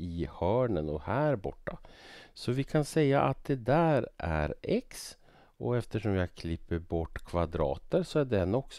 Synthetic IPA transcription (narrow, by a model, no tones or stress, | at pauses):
ɪhœːɳənɔhæːɾbɔʈːasɔvɪkʰansɛjːaʔat̪̚d̪ɛd̪æːɾʔæ̰ɾɛks | ɔ̰ɛft̪əʂɔmjɑɡkʰlɪpːəɾbɔʈːkʰvad̪ɾɑ̰ːt̪əɾsɔæɖɛnːɔks